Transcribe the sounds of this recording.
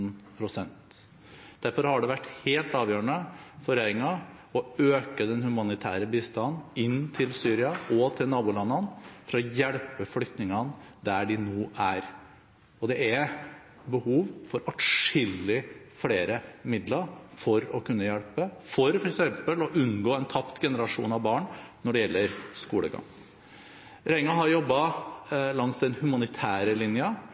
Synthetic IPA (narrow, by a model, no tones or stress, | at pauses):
npʰɾʊsɛnt̪ | d̪̥æɾfɔɾhɑɖɛʋæʈːheːlt̪ɑːʋjøːɾəɳəfɔɾeɾɪŋɑ | ɔøːkəd̪ɛnhʉmɑnɪt̪ʰæ̰ːɾəbiːst̪ɑnɪnːt̪ʰɪlsyːɾɪɑɔt̪ʰɪlnɑːbʊːlɑnːɑnfɾɑɔjɛɽpəfɽʏkt̪nɪŋɑn | d̪æɖɪnoːʔæɾ | ɔd̪ɛæ | bəhuːʋfɔɾɑʈʂɪlːɪfɽeːɾəmɪd̪lɑɾfɔɾɔkʰʉnːəjɛɽpəfɔɾfɔɾɛksɛmpəlɔʔʉnɡoːɛnt̪ʰɑpt̪ɡɛnəɾɑʂṵːnɑʋbɑːɳnɔɖɛjɛlːəɾskuːləɡɑ̰ŋ | ɾɛɪŋɑɦɑɾjɔbːɑ | lɑŋsd̪ɛnhʉmɑnɪt̪ʰæːɾəlɪnjɑ